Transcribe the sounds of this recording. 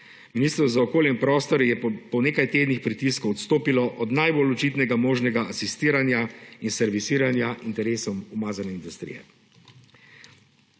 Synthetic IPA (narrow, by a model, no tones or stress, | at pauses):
miniːst̪ɾɔwzaɔkoːljɛmpɾɔːst̪ɔɾjɛpɔneːkajt̪eːd̪nixpɾit̪iskowɔt̪st̪oːpilɔʔɔd̪najbolɔt͡ʃiːt̪nɛɡamoːʒnɛɡaʔasist̪iːɾanjainsɛɾʋisiːɾanjaʔint̪ɛɾeːsɔmumaːzanɛind̪ust̪ɾḭjɛ̰